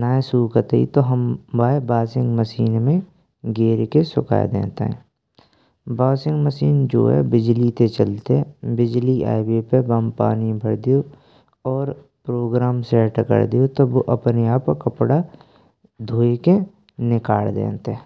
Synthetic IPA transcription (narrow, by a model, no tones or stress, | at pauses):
naːẽsuːkət̪ḭt̪oɦəmbaːebaːsɪ̃ŋɡməsiːnmẽ | ɡeːɾkesʊka̰ːjḛd̪ḛ̃ːnt̪ḛɦɛ̰̃ː | baːsɪ̃ŋɡməsiːnd͡ʒo̰ːɦɛ̰bɪd͡ʒlit̪et͡ʃəlt̪eɦɛ̃bɪd͡ʒlia̰ːɪbepebəmpa̰ːnibʱəɽd̪ijo | ɔːɾ | pɾoːɡɾaːmsɛːʈkə̰ɽd̪ijot̪oboʔɐpneaːpkkəpɽa | d̪ʱoːeke | nɪkaːɭd̪ḛ̃ːnt̪eɛ̃ː